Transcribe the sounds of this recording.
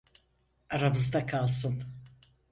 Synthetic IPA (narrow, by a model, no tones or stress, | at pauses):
aɾabɯzd̪akʰalˠsɯn